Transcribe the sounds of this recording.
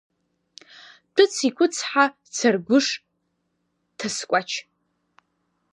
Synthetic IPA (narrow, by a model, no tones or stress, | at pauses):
tʰɨt͡sʰikʷʰʼʊt͡sʰħa | t͡sʰarɡʷʊʂ | tʰaskʷʼat͡ʃʰ